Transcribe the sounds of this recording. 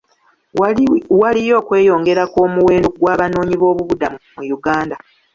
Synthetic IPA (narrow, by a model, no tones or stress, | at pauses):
walijo̞ːkwe̞ːjo̞ːŋɡe̞ɾakoːmuwe̞ːndoɡwaːβano̞ːɲiβo̞ːβuβudammujuɡaːnda